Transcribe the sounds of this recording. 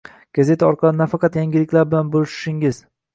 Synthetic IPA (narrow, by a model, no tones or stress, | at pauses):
ɡ̥aze̞t̪ʰaɒɾqʰɑlˠɪnafɑqʰɑt̪jaŋɡʲɪlɪkʲlaɾbɪlanbolɪʃɪ̥ʃɪŋɪz